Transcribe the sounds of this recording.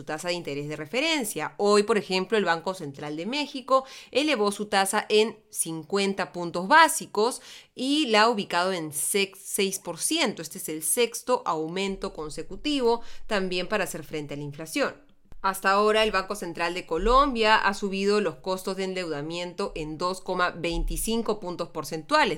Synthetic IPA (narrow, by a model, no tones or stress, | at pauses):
sut̪asaðeint̪e̞ɾezðe̞re̞fe̞ɾe̞nsjao̞jpo̞ɾe̞xe̞mplo̞elβaŋko̞se̞nt̪ɾald̪e̞me̞xiko̞ele̞βo̞sut̪asaʔe̞nsiŋkwe̞nt̪apunt̪o̞zβasiko̞silauβikað̞o̞enseksejspo̞ɾsje̞nt̪oest̪eeselse̞kst̪o̞ʔawmẽ̞nt̪o̞ko̞nse̞kut̪iβo̞t̪ambje̞mpaɾaːse̞ɾfɾent̪ealaiɱflasjo̞n | ast̪ao̞ɾae̞lβaŋko̞se̞nt̪ɾald̪e̞ko̞lo̞mbjaʔa̰suβiðo̞lo̞sko̞st̪ozðeːnd̪e̞wðamjẽ̞nt̪o̞ʔe̞nd̪o̞sko̞maβe̞jnt̪isiŋko̞punt̪ospo̞ɾse̞nt̪wales